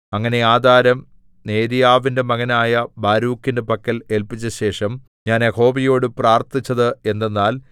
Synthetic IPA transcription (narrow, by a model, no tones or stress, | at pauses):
ɐŋːɐne̞aːd̪ʱaːɾɐm | ne̞ːɾijaːʋinde̞mɐɣɐnaːjɐbaːɾuːkːindepɐkːɐle̞lpit͡ɕːɐɕe̞ːʂɐm | ɲaːneho̞ːbijo̞ːɽɨpraːrt̪it͡ɕːɐðɨe̞nd̪e̞nːaːl